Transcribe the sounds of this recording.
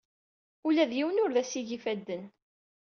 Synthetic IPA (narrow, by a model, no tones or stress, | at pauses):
ulæðjiwənʊɾðæsiʝifæd̪ːən